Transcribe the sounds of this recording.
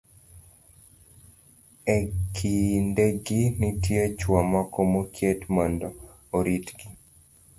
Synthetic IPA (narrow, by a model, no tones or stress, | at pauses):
ɛkʰindeɡinɪtjet͡ʃwɔmɔkomokjetmɔndɔ | oɾitɡi